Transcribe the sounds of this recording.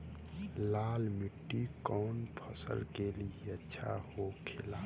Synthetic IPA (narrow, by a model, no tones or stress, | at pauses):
laːlmiʈːikɔːnpʰəsə̰lkeliiətːʃʰa̰hokʰelaː